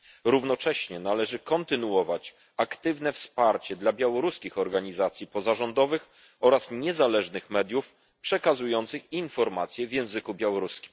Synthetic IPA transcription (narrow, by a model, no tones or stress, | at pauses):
ɾuvnɔt͡ʂɛɕɲɛnalɛʐɘkɔnt̪ɘnuɔvat͡ɕ | akt̪ɘvnɛfspaɾt͡ɕɛd̪labʲjawɔɾuskʲixɔɾɡaɲizat̪sʲjipɔzaʐɔnd̪ɔvɘx | ɔɾasɲɛzalɛʐnɘxmɛd̪ʲjuf | pʂɛkazujɔnt̪sɘxinfɔɾmat̪sʲjɛvʲjɛ̃w̃zɘkubʲjawɔɾuskʲi̥m